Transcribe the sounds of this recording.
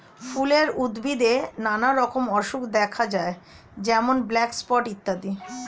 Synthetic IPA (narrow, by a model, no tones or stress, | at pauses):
fuleɾud̪bid̪enanaɾɔkomɔʃukd̪ɛkʰad͡ʑae | d͡ʑɛmonblɛkspɔʈit̪ːad̪i